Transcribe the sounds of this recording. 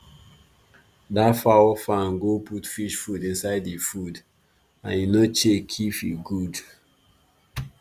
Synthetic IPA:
dafawɔfãnɡopʰutfiʃfudĩnsaɪdifud | ãnjinɔt͡ʃekʰifiɡud

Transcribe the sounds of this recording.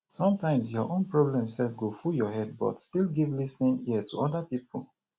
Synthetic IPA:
sɔ̃mtʰãɪ̃msjɔʔõnpɹɔblɛ̃msɛlfɡofuljɔhɛd̚bɔ̰tstilˠɡivlisnĩŋiətʰuɔdəpipʰə̰l

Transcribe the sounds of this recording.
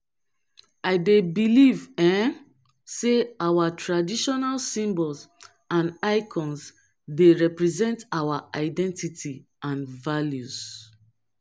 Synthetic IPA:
aɪdebilivɛ̃ | seawatʰɹadiʃɔnalsĩmbɔls | ãnaɪkʰɔ̃ns | deɹɛpɹɛzɛ̃ntawaʔaɪdɛ̃ntitʰi | ãnvaljus

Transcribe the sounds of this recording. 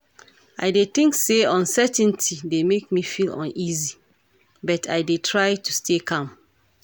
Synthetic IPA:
a̰ɪdet̪ɪ̃ŋkseɔ̃nsɛtɛ̃ntʰidemek̚mifilɔ̰̃nizi | bɔtʰa̰ɪdetʰɹaɪtustekʰãm

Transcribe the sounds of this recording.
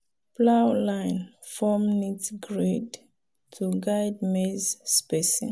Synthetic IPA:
plawlãjn | fɔmnitɡɹed | tʰuɡajd̚mezspɛsḭ̃

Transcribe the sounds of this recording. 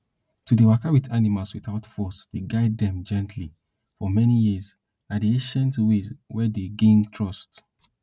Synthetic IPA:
tudewakawiθanimalswiθaʊtfɔsdeɡaɪdːɛ̃md͡ʒɛ̃ntʰli | fɔmɛnijiz | adiẽʃɛ̃ntuwezwɛdeɡẽntʰɹɔst

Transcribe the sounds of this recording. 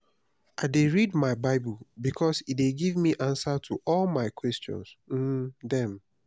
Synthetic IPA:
aɪdeɹidmaɪbaɪbulbikʰɔsitdeɡivmiʔãnsatʰuʔɔlˠmaɪkwɛstɔ̰̃nsm̩dɛ̃m

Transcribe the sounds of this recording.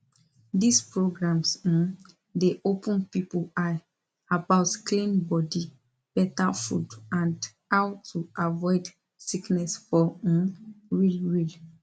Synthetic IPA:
dispɹoɡɹãms̩ | deʔopʰə̃npipula | abaʊtklẽnbɔdi | b̥ɛtafṵdãnd | hawtʰuʔavɔɪd | siknɛsfɔ̃ | ɹilɹil

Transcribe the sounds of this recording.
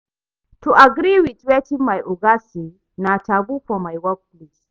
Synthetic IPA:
tuʔaɡɾiwitwɛtimajʔuɡasi | natabupɔmajwak̚lis

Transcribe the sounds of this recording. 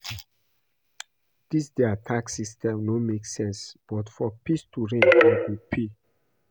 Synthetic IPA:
d̥isdɛatʰaksistɛ̃mnomeksɛ̃nsb̥ɔtfɔpistuɹẽnaɡupʰi

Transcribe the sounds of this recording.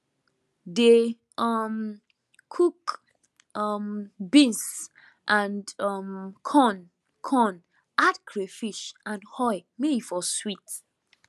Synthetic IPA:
de | ɔm | kʰuk | ɔmbĩns | ʔãndɔmkʰɔ̃n | kʰɔ̃n | atkʰɹefiʃãnhɔjmeifɔswit

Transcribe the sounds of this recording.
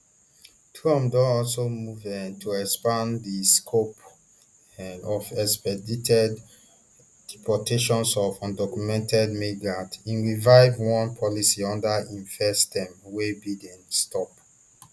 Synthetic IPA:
tʰɹɔ̃mdɔ̃ɔlsomuvɛ̃ntʰuɛkspãndiskʰop | ɔvɛkspɛditʰɛd | d̥ipʰɔtʰeʃɔ̃nsɔvɔ̃ndɔkumɛ̃ntɛdmeɡatĩnɹivaɪvwɔ̃npʰɔlisiɔ̃ndaĩnfɛstɛ̃mwebidɛ̃nstɔp

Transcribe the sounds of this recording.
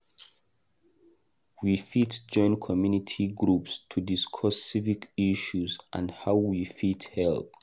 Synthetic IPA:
wifitd͡ʒɔ̃ɪ̃nkʰɔmjunitʰiɡɹupstʰudiskʰɔsːivikiʃuzʔã̰nhaʊwifithɛlp

